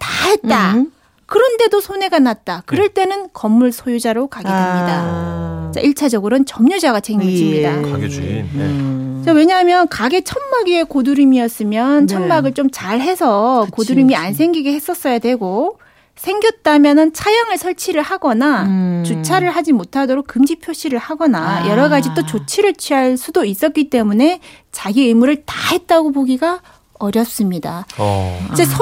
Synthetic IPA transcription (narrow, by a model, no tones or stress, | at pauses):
taɦe̞t̚t͈a | kɯɾʌnde̞dosʰone̞ɡanat̚t͈akɯɾʌɭt͈e̞nɯnkʌmːuɭsʰojud͡ʑaɾokaɡedwemɲida | t͡ɕ͈a̰ʔiɭt͡ɕʰad͡ʑʌɡɯɾont͡ɕʌmɲʌd͡ʑaɡat͡ɕʰeŋɡɡiiɲidaɡ | t͡ɕawe̞ɲaɦamjʌnkaɡe̞t͡ɕʰʌnmaɡie̞koduɾimiʌs͈ɯmjʌnt͡ɕʰʌnmaɡɯɭt͡ɕ͈omt͡ɕaɭɦe̞sʰʌkoduɾimiansʰe̞ŋɡiɡe̞he̞s͈ʌs͈ʌjadwe̞ɡo | sʰe̞ŋɡjʌt̚t͈amjʌnɯnt͡ɕʰajaŋɯɭsʰʌɭt͡ɕʰiɾɯɭhaɡʌnat͡ɕut͡ɕʰaɾɯɭɦad͡ʑimotʰadoɾok͈̚ɯmd͡ʑipʰjoɕ͈ʰiɾɯɭhaɡʌnajʌɾʌɡad͡ʑit͈ot͡ɕot͡ɕʰiɾɯɭt͡ɕʰɥiaɭsʰudois͈ʌt̚k͈it͈e̞mune̞ | t͡ɕaɡieɯmuɾɯɭtahe̞t̚t͈aɡopoɡiɡa | ʌɾjʌs͈ɯmɲida | id͡ʑesʰ